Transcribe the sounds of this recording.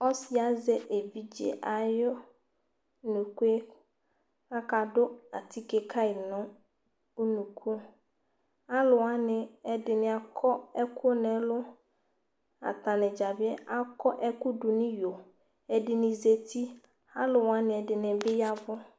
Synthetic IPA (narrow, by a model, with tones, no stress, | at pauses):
ɔ˦sɪ˨a˨˦zɛ˦ʔe˨vi˨d͡ʒḛ˨ʔa˨jʊ˦˨ | nũ˨ku˦e˦ | a˦ka˨dʊ˦a̰˨tʰi˦ke˨kʰa˦ɪ˨nʊ̃˦ | o˦nũ˨kʰu˦ | a˦lʊ˨wa˦nɪ̃˨ɛ˦dɪ˨nɪ̃˨a˨kʰɔ˦ɛ˦kʰʊ˦nɛ̃˨˦lʊ˦ | a̰˨ta˨nɪ̃˨d͡ʒa˨bɪ˦ɛ˦ʔa˦kʰɔ˦ʔɛ˦kʊ˦dʊ˨nɪ̃˦jo˨ | ɛ˨dɪ˨nɪ̃˨ze˨tʰi˦ | a˦lʊ˨wa˦nɪ̃˨ɛ˨dɪ˨nɪ̃˨bɪ˦ja˦vʊ˦